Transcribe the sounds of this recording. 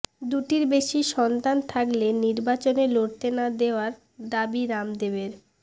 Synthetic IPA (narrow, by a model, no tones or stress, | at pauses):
d̪uʈiɾbeʃiʃɔnt̪ant̪ʰakleniɾbat͡ɕoneloɾt̪enad̪eoaɾ | d̪abiɾamd̪ebeɾ